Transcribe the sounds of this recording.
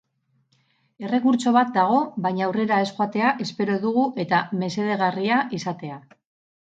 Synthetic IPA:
e̞re̞kuɾt͡ʃo̞βat̪̚d̪aɣ̞o̞βajɲawre̞ɾae̞sxoat̪e̞aʔe̞spe̞ɾo̞ðuɣuʔe̞t̪ame̞se̞ð̞e̞ɣ̞ariaʔisat̪e̞a

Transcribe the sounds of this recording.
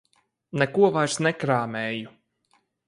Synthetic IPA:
nɛkuɔvajɾsnɛkɾaːmɛːju

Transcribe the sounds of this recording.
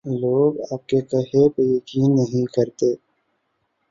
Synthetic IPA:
loːɡa̰ːp̚kekɐɦepejɐkiːnːɐɦĩkɐɾt̪eː

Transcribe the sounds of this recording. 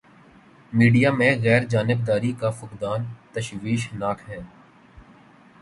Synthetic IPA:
miːɖijamẽɣɛːɾd͡ʒaːnɪbd̪aːɾikafʊqd̪aːnt̪ɐʃʋiːʃnaːkʰɦɛ̃ː

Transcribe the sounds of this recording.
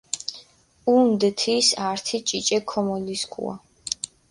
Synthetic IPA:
und̪ɛt̪ʰisaɾt̪ʰit͡ʃʼit͡ʃʼɛkʰɔmɔliskʰʼṵa̰

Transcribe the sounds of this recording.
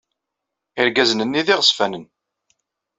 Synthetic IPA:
ɪɾɡæznənːiðɪʁəsfænən

